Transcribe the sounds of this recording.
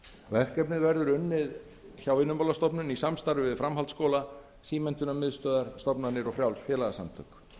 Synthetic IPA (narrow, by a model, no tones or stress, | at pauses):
vɛrcɛpnɪðvɛɾðʏɾʏnːɪð | çawvɪnʏmpawlast̪ɔpnʏnisamst̪aɾʏvɪðfɾamɦalt̪skoːwla | siːmɛn̥t̪ʏnamɪðst̪œːðaɾ̥st̪ɔpnanɪɾɔɣfɾjawlsfjɛːlaɣasa̰mt̪ʰœ̰k